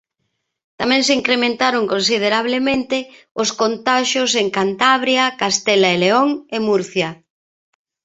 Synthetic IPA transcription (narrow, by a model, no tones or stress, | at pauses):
t̪amɛ̃ŋseiŋkɾemẽnt̪aɾoŋkonsið̞eɾaβ̞lemẽnt̪ɪ | ʊskont̪aʃjoseŋkant̪aβɾjakast̪ɛlaeleoŋemuɾθjɐ